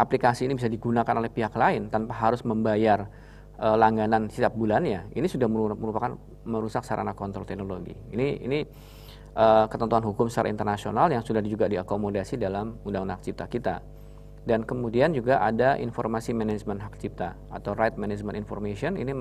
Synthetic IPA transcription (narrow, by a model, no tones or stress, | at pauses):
ʔaplikasiːnibisadiɡunakanolɛhpiɦaklaɪnt̪anpaɦaɾʊsməmbajar | əlaŋɡanansit̪ap̚bulanɲainisudahmməɾupakan | məɾusaksaɾʔa̰nakɔnt̪ɾɔlt̪ɛhnoloɡḭḭniḭni | ʔəkət̪ənt̪uanɦukʊmsaɾa̰int̪ərnasionaljaŋsudahd͡ʒuɡadiakomodasidalamundaŋundaak̚t͡ʃip̚t̪akit̪a̰ | dankəmudiand͡ʒuɡaʔa̰daʔḭnformasimenɛd͡ʒmənɦak̚t͡ʃip̚t̪a | at̪awɾajt̪̚mened͡ʒməninfɔ̰rmesiɔnḭni